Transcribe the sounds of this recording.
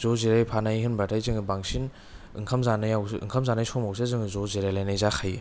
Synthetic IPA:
zɔziɾajpʰanajɦɯnbatʰajzɯŋɯbaŋsin | ɯ̰ŋkʰamzanɯjawɯ̰ŋkʰɐmzanajsɔmawsʰezɯŋɯzɔzeɾajlajnajzaxʰaj

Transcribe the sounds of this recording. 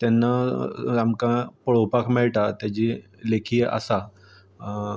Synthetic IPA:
t̪anːaamkãpəɭowpakʰmɛɭʈat̪jad͡ʑi | lekʰiːa̰sa

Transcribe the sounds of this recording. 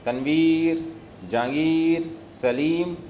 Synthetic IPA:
t̪ɐnʋiːɾ | d͡ʒãːŋɡiːɾsɐliːm

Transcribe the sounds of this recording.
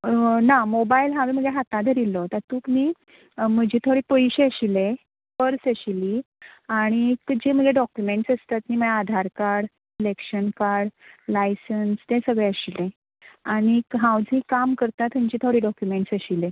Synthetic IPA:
namobailɦãwmim̤əɡeɦat̪ãd̪ʱəɾilɔt̪at̪uːkmiː | məd͡ʑit̪ʰoɽipəjɕeəɕile | pəɾsəɕili | aɽ̃ikəd͡ʑim̤əɡeɖɔkjumeɳʈsəst̪at̪miːm̤əlaad̪ʱaɾkaɾɽ | lekɕənkaɾɽlajsənst̪ẽsəɡɭɛəɕilẽ | aɽ̃iɦãwd͡zikamkəɾt̪at̪əmd͡ʑit̪ʰoɽiːɖɔkjumeɳʈsəɕile

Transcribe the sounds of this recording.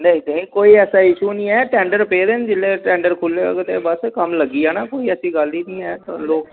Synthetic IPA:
nẽd̪eĩːkoːiːɛːsaːɪʃuːnĩːɛːʈɛːɳɖəɾpeːd̪eːnd͡ʒɪlːeːʈɛ̃ːɳɖəɾkʰʊlːeːəɡt̪eːbəskəmləɡiːaːnaːkoːiːəsĩːɡəld̪iːnĩːɛːt̪aloːk

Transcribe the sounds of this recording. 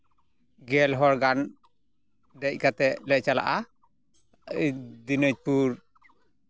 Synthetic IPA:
ɡɛlɦɔɾɡan | d̪ɛc̚kat̪ɛlɛʔ̚t͡ʃala̰ʔa | d̪inɔc̚puɾ

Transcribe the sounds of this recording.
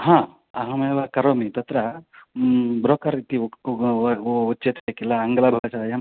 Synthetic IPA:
ɦãː | ɐɦɐmeːʋakɐɾoːmit̪ɐt̪ɾɐ | bɾoːkaɾit̪i | ut͡ʃːt͡ʃet̪ʰekilːɐːŋɡɐlɐbʱɐɡɐsaːjɐm

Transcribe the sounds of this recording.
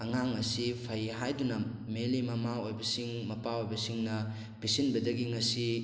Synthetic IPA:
ɐŋaŋːɐsipʰɐjɦajdunɐm | melimɐmaojbɐsiŋmɐpaojbɐsiŋnɐ | bisinbɐdɐɡiŋɐsi

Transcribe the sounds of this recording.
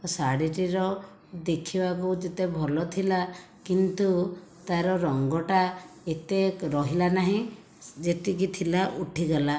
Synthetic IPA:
saɽiʈiɾɔ | d̪ekʰibak̬ud͡ʒet̪ebʱɔlɔt̪ʰila | kint̪ut̪aɾɔɾɔŋɡɔʈaet̪eɾɔɦilanaɦĩ | d͡ʒet̪ik̬it̪ʰilaʔuʈʰiɡela

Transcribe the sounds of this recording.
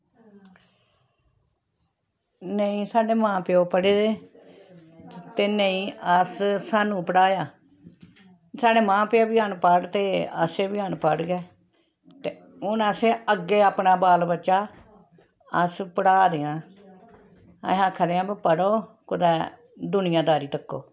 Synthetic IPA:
nəĩːsaːɖeːmãːpɪjoːpəɽeːd̪eː | t̪eːnəĩːəssaːnũːpəɽaːjaː | saːɖeːmãːpɪjoːbiːənpəɽt̪eːə̰seːbiaːnpəɽɡɛː | t̪eː | ʊnəseːəɡːeːaːpnaːbaːlbətːʃaː | əspəɽaːd̪eːãː | ə̰ɦãːkʰəd̪eːãːbpəɽoː | kʊd̪ɛː | d̪ʊnɪjãːd̪aːɾiːt̪əkːo̰ː

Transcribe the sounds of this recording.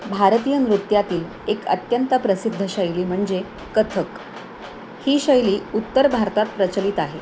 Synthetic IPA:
bʱaɾt̪ijənɾut̪jat̪iːl | ekə̰t̪jənt̪əpɾəsid̪ʱːəɕəjliːm̤əɳd͡ze | kət̪ʰək | hiːɕəjliːut̪ːəɾbʱaɾt̪at̪̚pɾət͡ɕəlit̪aɦe

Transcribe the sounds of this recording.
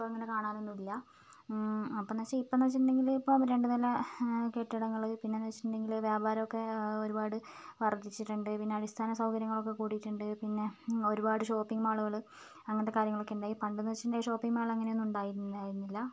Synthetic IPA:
oɐŋːɐne̞kaːɳaːnunːuilːɐ | ɐpːonɐt͡ɕːɐipːonɐʋɐt͡ɕːiʈːuɳɖe̞ŋɡilipːoːmɾe̞ɳɖɨnɐlɐkeʈːiɽɐŋːɐɭɨpinːe̞nɐʋɐt͡ɕiʈːuɳɖe̞ŋɡilʋjaːbʱaːɾɐmokːe̞o̞ɾubaːɽɨʋɐrd̪it͡ɕːiʈːuɳɖɨpinːe̞ɐɽist̪ʰaːnɐsɐwkɐɾjɐŋːɐɭo̞kːe̞kuːɽijʈːuɳɖɨpinːe̞o̞ɾubaːɽɨɕo̞ːpːiŋɡmaːɭuɣɐɭɨ | ɐŋːɐnɐt̪ːekaːɾjɐŋːɐɭo̞kːeɳɖaːjipɐɳɖɨnɐɐt͡ɕːiʈːɳɖaːjiʂo̞ːpːiŋɡmaːɭɐŋːɐneonːuɳɖaːjiɾunːðaːjiɾunːilːɐ

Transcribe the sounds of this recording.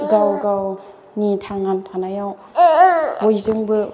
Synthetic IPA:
ɡawɡaw | nitʰaŋantʰanajaw | bojzɯŋbɯ

